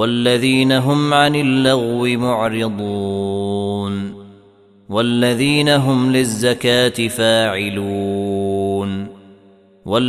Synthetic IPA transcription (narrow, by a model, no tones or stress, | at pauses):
walːaðiːnaɦʊmʕanɪlːaɣwɪmʊʕɾɪd̪ˤuː | n | walːaðiːnaɦʊmlɪzːakaːt̪ɪfaːʕɪluː | n | wal